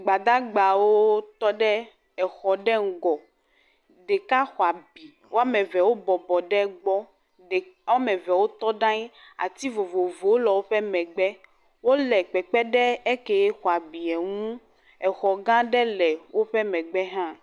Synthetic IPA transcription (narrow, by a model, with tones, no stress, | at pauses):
ɡ͡ba˨d̪a˦ɡ͡ba˨wo˦t̪ɔ˦ɖɛ˦ | ɛ˨xɔ˨ɖɛ˦ŋ̩˦ɡɔ˨ | ɖɛ˨ka˦xɔ˨a˨bi˨ | wʔo˦a˦mɛ̃˨vɛ˨wo˦bɔ˨bɔ˨ɖɛ˦ɡ͡bɔ˦ | ɖɛ˨wa˦mɛ˨vɛ˨wo˦t̪ɔ˦ɖã˦ɲi˦ | a̰˨t̪i˦vo˨vo˨vo˨wo˦lɔ˨wo˦ɸɛ˦mɛ̃˨ɡ͡bɛ˦ | wo˦lɛ˨k͡pɛ˨k͡pɛ˦ɖɛ˦ɛ˦kɛ˨jɛ˦xɔ˨a˨bi˨ɛ˨ŋũ˦ | ɛ˨xɔ˨ɡã˦ɖɛ˦lɛ˨wo˦ɸɛ˦mɛ̃˨ɡ͡bɛ˦ɦã˦